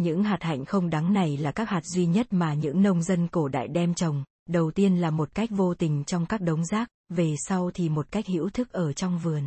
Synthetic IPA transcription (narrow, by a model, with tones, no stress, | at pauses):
ɲɨ̰˧˥ŋɦaː˨˩t̚ha̰˧˨jŋ̟xə˧wŋ͡mɗa˨˦ŋna˨˩jlaː˨˩kaː˦˥k̚haː˨˩t̚zwi˧ɲə˦˥t̚maː˨˩ɲɨ̰˧˥ŋnə˧wŋ͡mzə˧nku˧˩əɗa̰ː˧˨jɗɛ˧mt͡ɕə˨˩wŋ͡m | ɗə˨˩wt̪i˧ənlaː˨˩mo˨˩t̚ka˦˥jk̟̚vo˧t̪ï˨˩ŋ̟t͡ɕɔ˧wŋ͡mkaː˦˥k̚ɗə˨˦wŋ͡mzaː˦˥k̚ve˨˩sa˧wt̪ʰi˨˩mo˨˩t̚ka˦˥jk̚hḭ˧˥wt̪ʰɨ˦˥k̚ʔəː˧˩t͡ɕɔ˧wŋ͡mvɨ˨˩ən